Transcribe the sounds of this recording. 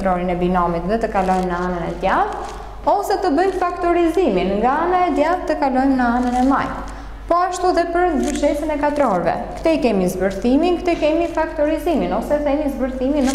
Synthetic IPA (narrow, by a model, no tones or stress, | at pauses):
t̪ɾɔɾinɛbinɔmit̪ðɛt̪əkalɔjmnəanənɛ̰d̪jað | ɔsɛt̪əbəjmfakt̪ɔɾiziminŋɡaanaɛd̪jaðt̪ːəkalɔjmnəanənɛma̰j | pɔaʃt̪uðɛpəɾzbəɾʃɛsənɛkat̪ɾɔɾvɛ̰kt̪ɛikɛmizbəɾθiminkt̪ɛkɛmifakt̪ɔɾiziminɔsɛθɛmizbəɾθiminə